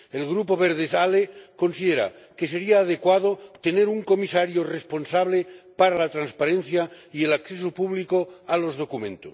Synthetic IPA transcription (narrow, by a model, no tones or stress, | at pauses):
elɣɾupoβ̞eɾðesaleko̞nsiðeɾa̰ | kese̞ɾiaːð̞ekwað̞ot̪eneɾuŋko̞misaɾjorespo̞nsaβlepaɾalat̪ɾanspaɾenθjaielakθesopuβlikoalo̞zð̞o̞kumẽnt̪os